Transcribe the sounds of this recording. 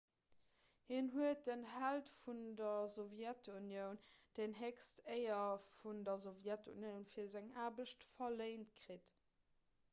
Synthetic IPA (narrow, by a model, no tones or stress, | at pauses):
hinɦuət̚dənhæltfundɐzovjætʰunjəʊnd̥ənɦeksteɪɐfundɐzovjætʰṵnjəʊnfiːɐzæŋaːbəʃtfɐleɪntkʁit